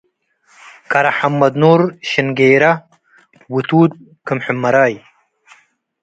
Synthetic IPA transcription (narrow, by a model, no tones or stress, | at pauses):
kɐɾɐħɐmːɐd̪nuːɾɕinɡeːɾɐ | wut̪uːd̪̚ | kɨmħumːɐɾaːj